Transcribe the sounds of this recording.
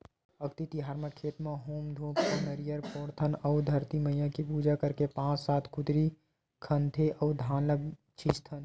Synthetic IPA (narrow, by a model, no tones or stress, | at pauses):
əkt̪it̪iɦaːɾmẽkʰeːt̪meɦoːmd̪ʱoːppəmeɾijəɾpɔɾt̪ʰənəʊd̪ʱəɾt̪iməijãkipud͡ʒakəɾkepãːt͡ʃsaːt̪ʰkut̪ɾi | kʰənt̪ʰeʔəʊd̪ʱãːnləb | t͡ʃʰist̪ʰən